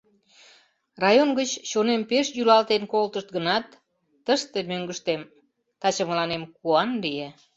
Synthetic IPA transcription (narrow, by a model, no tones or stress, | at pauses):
rɑjonɡət͡ɕːonempeʃjylɑlt̪enkolt̪əʃt̪ɡənɑt̪ː | əʃt̪emøŋɡəʃt̪em | t̪ɑt͡ɕəməlɑnemkuɑnlije